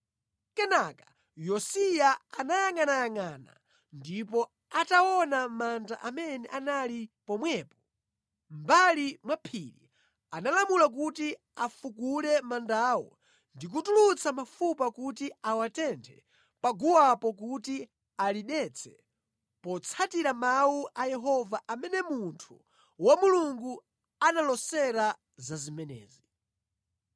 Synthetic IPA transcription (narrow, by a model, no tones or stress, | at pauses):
kɛnakḁ | jɔsijaanajaŋanajaŋana̰ | ndipɔ | atawɔnamandaʔamɛnɛʔanalipɔmwɛːpɔ̥ | mbalimwapʰilḭ | analamulak̬uti | afukulɛmandaːwɔ̰ | ndik̬utulut͡sʰamafupakutiawatɛntʰɛ | paɡuwapɔk̬uti | aliɗɛt͡sʰɛ̥ | pɔt͡sʰatiɾamawuʔajɛɦɔvaʔamɛnɛmuntʰu | wamuluŋɡu | analɔsɛɾa | zazimɛnɛ̰ːzi